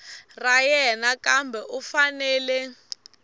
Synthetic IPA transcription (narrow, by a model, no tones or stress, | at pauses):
rajɛnakambʱɛʔufanɛːlɛ